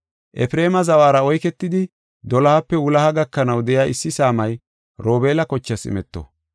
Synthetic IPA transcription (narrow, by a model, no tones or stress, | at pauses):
ʔɛfɾe̞ːmɐzɐwaːɾɐɔjkɛt̪ːɪd̪ɪ | d̪ɔlɐhɐpːɛwʊlɐhɐɡɐkːɐnɐwd̪ɛjaːʔɪsːɪsaːmɐj | ɾo̞ːbe̞ːlɐkɔt͡ʃːɐsɪ̰mɛt̪ːo̰